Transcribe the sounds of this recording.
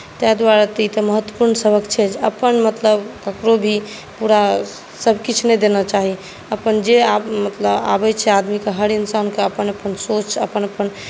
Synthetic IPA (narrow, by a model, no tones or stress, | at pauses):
t̪jad̪waɾat̪it̪əməɦət̪ːwə̥puɾnsəbʱəkt͡ʃʰɛd͡ʒəpənmət̪ləbkəkɾobʱi | puɾa | səbʱkit͡ʃʰnɛjd̪enɔt͡ʃaɦi | əpənd͡ʒeamət̪ləba̰bɛt͡ʃʰɛad̪mikeɦəɾinsaunkeəpənəpənsot͡ʃə̰pənəpən